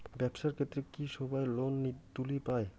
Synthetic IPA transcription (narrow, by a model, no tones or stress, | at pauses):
bɛbʃaɾkʰet̪ːɾekiʃɔbaelonːit̪ulipae